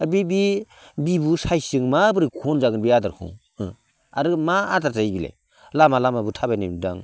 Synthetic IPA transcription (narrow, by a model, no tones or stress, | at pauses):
abibi | bibusajsɯŋmabɯɾikʰonzaɡɯnbiadaɾkʰṵŋ | ɯ | a̰ɾɯmaadaɾtajbila̰j | lamalamabutʰabajnimda̰ŋ